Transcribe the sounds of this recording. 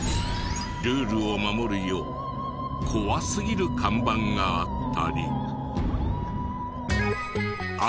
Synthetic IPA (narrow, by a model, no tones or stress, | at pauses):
ɾɯ̟ːɾɯ̟o̞mamo̞ɾɯ̟jo̞ː | kʰo̞βasɨɡʲiɾɯ̟kãmbãŋɡaat̪ːaɾʲḭ | a